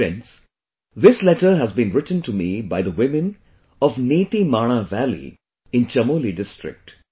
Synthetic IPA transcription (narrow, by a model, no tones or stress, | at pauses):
ɛ̰̃ns | ðɪslɛʈəɾɦæzbĩːnɹɪʈntumibaɪðəwɪ̃mɨ̃n | ɔʋneːt̪imaːɽ̃aʋælḭ | ɪ̃nt͡ʃɐmoːliɖɪsʈɹɪ̰k̚ʈ